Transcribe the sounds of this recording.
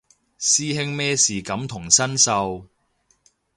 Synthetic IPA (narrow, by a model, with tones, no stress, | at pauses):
siː˥ɦɪ˥ŋmɛː˥siː˨kɐ˨˥mt̪ʰʊ˨˩ŋsɐ˥nsɐ˧w